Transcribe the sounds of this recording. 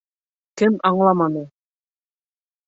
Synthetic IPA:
kɘmɑɴlˠɑmɑnɤ

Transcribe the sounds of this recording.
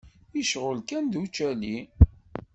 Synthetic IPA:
iʃʁəlkænd̪ut͡ʃːæli

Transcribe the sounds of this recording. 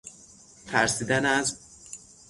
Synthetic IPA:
t̪ʰæɾsiːd̪ænæz

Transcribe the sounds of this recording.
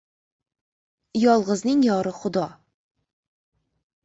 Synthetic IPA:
jɒlˠʁəznɪŋjɒɾɪχʊd̪ɒ

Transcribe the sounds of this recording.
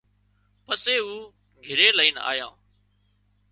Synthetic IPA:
pəseːuː | ɡʱɪɾeːləiːna̰ːjãː

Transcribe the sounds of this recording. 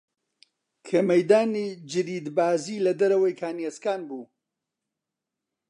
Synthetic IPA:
kʰeːmɐjd̪aːnid͡ʒɨɾiːd̪baːziːlɐd̪ɐɾɐwɐjkʰaːnieskaːnbuː

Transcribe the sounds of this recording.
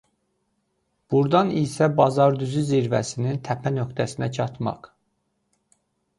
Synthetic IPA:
b̥uɾd̪ɑnisæbɑzɑɾd̪yzyziɾvæ̰sinint̪ʰæpʰænø̞kt̪ʰæsinæt͡ʃʰɑt̪mɑ̰q

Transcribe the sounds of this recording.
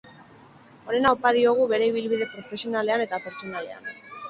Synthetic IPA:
o̞ne̞naopað̞io̞ɣ̞uβe̞ɾe̞iβ̞ilβiðe̞pɾo̞fe̞sio̞nale̞ane̞t̪ape̞ɾt͡so̞nale̞̰a̰n

